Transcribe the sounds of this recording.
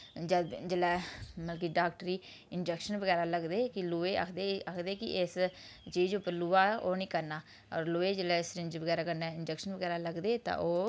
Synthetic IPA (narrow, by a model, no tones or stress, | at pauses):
d͡ʒəd̪d͡ʒelɛːməlkiːɖaːkʈɾiː | ɪnd͡ʒɛkʃənʋəɡɛːɾaːləɡd̪eːkɪluːeːə̰kʰd̪eːəkʰd̪eːkɪʔes | t͡ʃiːd͡ʒʊpːəɾluːaːʔoːnĩːkəɾnaː | ɔːɾloːeːd͡ʒelɛːɪsɾɪnd͡ʒʋəɡɛːɾaːkəɾnɛːɪnd͡ʒɛkʃənʋəɡɛːɾaːləɡd̪eːt̪ã̰ːʔoː